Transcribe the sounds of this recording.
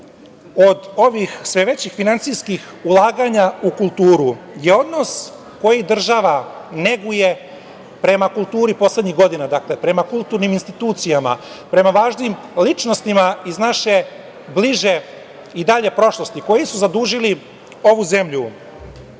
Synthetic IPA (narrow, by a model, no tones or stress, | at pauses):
o̞d̪o̞ʋixsʋe̞ʋe̞t͡ɕixfinant̪sijskix | ulˠaːɡaɲaukulˠt̪uːɾuje̞o̞d̪no̞s | ko̞jid̪r̩ʒaʋane̞ɡuje̞ | pɾe̞makulˠt̪uːɾipo̞slˠe̞d̪ɲiɣɡo̞d̪inad̪aklepɾe̞makulˠt̪uɾniminst̪it̪uːt̪sijama̰ | pɾe̞maʋaːʒnim | lit͡ʃno̞st̪imaiznaʃe̞ | bliʒe̞ | id̪aʎe̞pɾo̞ʃlˠo̞st̪iko̞jisuzad̪uːʒili | o̞ʋuze̞mʎu